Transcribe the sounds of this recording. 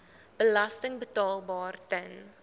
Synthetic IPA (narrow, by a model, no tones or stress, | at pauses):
b̥əlɐstəŋbətɑːlˠbɑːrtən